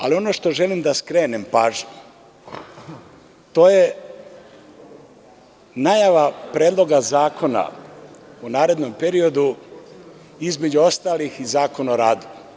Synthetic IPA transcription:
a̰lio̞no̞ʃt̪o̞ʒe̞limd̪askɾe̞ːnempaːʒe | t̪o̞ːje̞ | najaʋapɾeːd̪lˠo̞ɡazaːkʰo̞na̰ | unaːɾe̞d̪no̞mpe̞ɾio̞d̪u | izme̞d͡ʑuo̞st̪aːlixizaːko̞naoɾaːd̪u

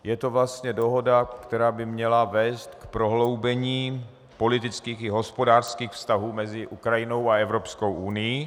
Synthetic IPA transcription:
jɛt̪ovlast̪ɲɛdo̞ɦo̞dakt̪ɛɾaːbɪmɲɛlavɛːst̪kpɾo̞ɦlo̞wbɛɲiː | po̞lɪt̪ɪt͡skiːxɪɦo̞spo̞daːrskiːxfst̪aɦuːmɛzɪʔukɾajɪno̞waɛvɾo̞psko̞wʔunɪji

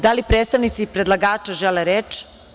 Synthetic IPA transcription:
d̪alipɾet̪st̪aʋnit̪sipɾed̪lˠaɡaːt͡ʃaʒeleɾeːt͡ʃ

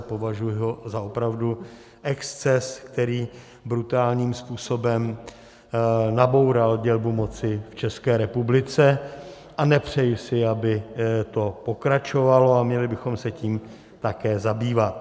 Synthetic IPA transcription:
po̞vaʒujɛɦozaopɾavdu | ʔɛkst͡sɛskt̪ɛɾiː | bɾut̪aːlɲiːmspuːso̞bɛm | nabo̞wɾalɟɛlbumo̞t͡sɪft͡ʃɛskɛːɾɛpublɪt͡sɛ | ʔanɛpr̝̥ɛjusɪabɪt̪o̞po̞kɾat͡ʃo̞valo̞amɲɛlɪbɪxo̞msɛciːm | t̪akɛːzabiːvat̪̚

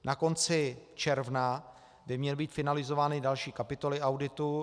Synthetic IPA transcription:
nʔako̞nt͡sɪt͡ʃɛɾvna | bɪmɲɛlbiːt̪fɪnalɪzo̞vaːnɪdalʃiːkapɪt̪o̞lɪʔawdɪt̪u

